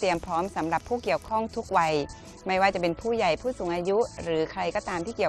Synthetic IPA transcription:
i˧əmpʰɾɔː˦˥msa˩˦mɾa˨˩pʰːuː˥˩ki˨˩əwkʰɔ˥˩ŋt̪ʰu˦˥k̚wa˧j | ma˥˩jwaː˥˩t͡ɕa˨˩pe˧npʰuː˥˩ja˨˩jpʰuː˥˩suː˨˩˦ŋʔaː˧ju˦˥ʔɾɯː˩˦kʰɾa˧jkɔː˥˩t̪aː˧mt̪ʰiː˥˩ki˨˩ə˩

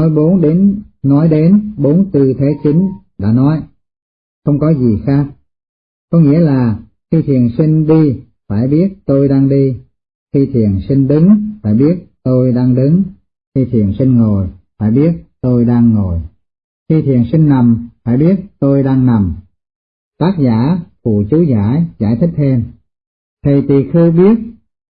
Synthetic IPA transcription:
ɔ˨˦jɓo˨˦nɗe˨˦nːɔ˨˦jɗe˨˦nɓo˨˦nt̪ɨ˧t̪ʰe˨˦t͡ɕi˨˦ŋ̟ɗa̰ː˧˥nɔ˨˦j | xə˧wŋ͡mkɔ˨˦zi˨˩xaː˦˥k̚ | kɔ˨˦ŋḭ˧˥əlaː˨˩ | xi˧t̪ʰi˨˩ənsï˧ŋ̟ɗi˧ | faː˧˩jɓi˦˥ət̚t̪o˧jɗaː˧ŋɗi˧ | xi˧t̪ʰi˨˩ənsi˧ŋ̟ɗɨ˨˦ŋfa̰ː˧˩jɓi˦˥ət̚t̪o˧jɗaː˧ŋɗɨ˨˦ŋ | xi˧t̪ʰḭ˨˩ənsi˧ŋ̟ŋo˨˩jfa̰ː˧˩jɓi˦˥ət̚t̪o˧jɗaː˧ŋːo˨˩j | xi˧t̪ʰi˨˩ənsï˧ŋ̟na˨˩mfaː˧˩jɓi˦˥ət̚t̪o˧jɗaː˧ŋna˨˩m | t̪aː˦˥k̚zaː˧˩fṵ˧˩t͡ɕu˨˦zaː˧˥˩jzaː˧˩jt̪ʰï˦˥k̟̚t̪ʰe˧m | t̪ʰə˨˩jt̪i˨˩xɨ˧wɓi˦˥ət̚

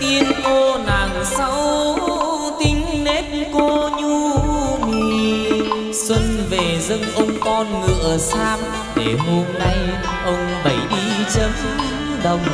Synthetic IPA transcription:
t̪i˧ənko˧naː˨˩ŋsa˧w | t̪ï˧˦ŋ̟ne˦˥t̚ko˧ɲu˧mi˨˩ | swə˧nve˨˩zə˧ŋʔə˧wŋ͡mkɔ˧nŋɨ̰˧˨ə˨˩saː˧m | ɗe˧˨˩ɦo˧mna˧j | ʔə˧wŋ͡mɓə˧˩jɗi˧t͡ɕə˨˦m | ɗə˨˩wŋ͡m

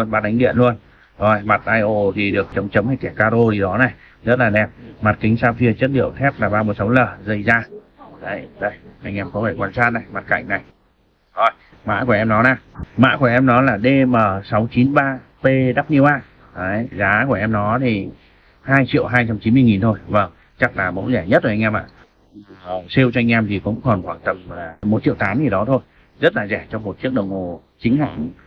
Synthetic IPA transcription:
ənɓaː˧˩ɗa˨˦ŋ̟ɗḭ˧˨ənlu˧ən | zo˨˩jma˨˩t̚ʔaː˧jʔo˧˩t̪ʰi˨˩ɗɨ˨˩ək̚t͡ɕə˨˦wŋ͡mt͡ɕə˨˦wŋ͡mha˧jkɛ˧˩kaː˧ɗo˧zi˨˩ɗɔ˨˦na˨˩j | zə˦˥t̚laː˨˩ɗɛ˨˩p̚ma˨˩t̚kï˨˦ŋ̟saː˧wfi˧ət͡ɕə˦˥t̚lḭ˧˨əwt̪ʰɛ˦˥p̚laː˨˩ɓaː˧wm˨˩t̚sə˨˦wləː˨˩zə˧˩jzaː˧ | ɗə˨˦jɗə˧˩jʔa˧ŋʔɛ˧˩m̚kɔ˨˦faː˧˩kwaː˧˩nsaː˧˥n̚na˨˩jma˨˩t̚ka̰˧˨jŋ̟na˨˩j | zo˨˩j | ma̰ː˧˥ku˧˩əʔɛ˧mnɔ˨˦naː˨˩ma̰ː˧˥ku˧˩əʔɛ˧mnɔ˨˦laː˨˩ɗe˧məː˨˩sa˨˦wt͡ɕi˨˦nɓaː˧pe˧ɗaː˦˥p̚ɲi˧əwʔaː˧˩˨ | jzaː˨˦ku˧˩əʔɛ˧mnɔ˨˦t̪ʰi˨˩ | haː˧jt͡ɕḭ˧˨əwɦaː˧jt͡ɕa˧mt͡ɕi˨˦nmɨ˧əjŋi˨˩nt̪ʰo˧jvə˧˩ŋ | t͡ɕa˦˥k̚laː˨˩mo̰˧˥nzɛ˧˩ɲə˦˥t̚tʰːo˧˩˧ŋ̟ʔɛː˧mʔa̰ː˧˨˩ | si˧wt͡ɕɔ˧ŋ̟ʔɛ˧mt̪ʰi˨˩kʊ̰˧˥ŋ͡mkɔ˨˩nkwaː˧˩nt̪ə˨˩mlaː˨˩m˨˩t̚t͡ɕḭ˧˨wt̪aː˨˦mzi˨˩ɗɔ˨˦t̪ʰo˧j | zə˦˥t̚laː˨˩zɛ˧˩t͡ɕɔ˧wŋ͡mmo˨˩t̚t͡ɕi˦˥ək̚ɗə˨˩wŋ͡mmo˨˩ | t͡ɕï˨˦ŋ̟ha̰ː˧˥ŋ

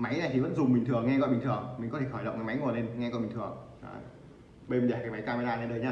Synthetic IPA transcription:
ma˨˦jna˨˩jt̪i˨˩və˧˥nzʊ˨˩ŋ͡mmï˨˩t̪ʰɨ˨˩əŋːɛ˧kɔ˧ɓi˨ŋ̟t̪ʰɨ˨˩əŋmi˨ŋ̟kt̪ʰe˧˩xɔ˧˩jɗə̰˨ŋ͡mkaː˨˦m˨˦jŋu˨˩ə˩ne˧nŋɛ˧kɔ˧nɓi˨˩ŋt̪ʰɨ˨˩əŋ | a̰ː˧˨˩ | ɓe˧m˧˩ɗaː˨˧˩kaː˨˦jma˨˦jkaː˧m˧˨˦jlaː˧naː˧˦ɗəː˧˩jɲaː˧

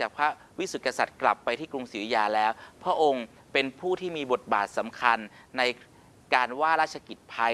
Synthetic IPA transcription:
t͡ɕaː˨˩k̚pʰa˦˥ | wi˦˥su˨˩kːa˧sa˨˩t̪̚kla˨˩pːa˧jt̪ʰiː˥˩kɾu˧ŋsiː˩˦jaː˧lɛː˦˥wpʰɾa˦˥ʔo˧ŋ | pe˧npʰuː˥˩t̪ʰiː˥˩miː˧bo˨˩t̪̚ba̰ː˨˩t̪̚sa˩˦mkʰa˧nːa˧j | kaː˧nwaː˥˩ɾaː˥˩t͡ɕʰa˧ki˨˩t̪̚pʰa˦˥

